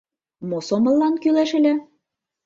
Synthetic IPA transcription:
mosomɤ̆lːɑnkylæʃɘ̆lʲæ

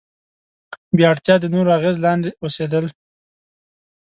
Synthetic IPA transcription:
bjɑɽt̪jɑd̪ənoɾoaɣezlɑnd̪eosed̪əl

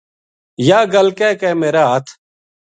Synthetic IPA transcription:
jaːɡəlkɛːkɛːmeːɾaːɦət̪ʰ

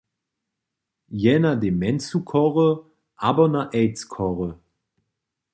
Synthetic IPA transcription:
jɛnademɛnt͡sukʰɔʁə | ʔaːbɐnaʔɛɪt͡skʰɔʁə

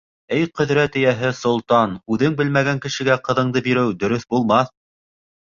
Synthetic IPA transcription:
ɘjqɵ̆ðɾæt̪ɘ̆jæɦɘsŏlˠt̪ɑnʉðɘŋbɘlmæɡæŋkɘ̆ʃɘ̆ɡæqɤ̆ðɤ̆ɴd̪ɤbiɾɘwd̪ɵ̆ɾɵθbulˠmɑθ

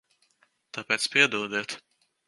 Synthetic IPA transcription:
t̪apʲɛːt̪spiɛd̪uːd̪ɛt̪

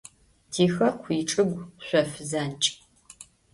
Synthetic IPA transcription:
tʰiːxɐkʷʰiːʈ͡ʂʼɨɡʷɕʷɔfzaːnt͡ʃʼ

